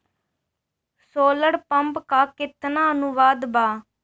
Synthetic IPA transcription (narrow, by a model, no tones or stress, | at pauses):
soːləɽpəmpkaːkɪt̪naːənuʋaːd̪baː